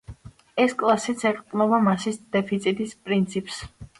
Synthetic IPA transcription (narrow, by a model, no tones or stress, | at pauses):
ɛskʼlˠasit̪sʰɛɾt̪ʼqʼnɔbamasisd̪̥ɛpʰit̪sʰʼit̪ʼispʼɾint̪sʰipʰʼs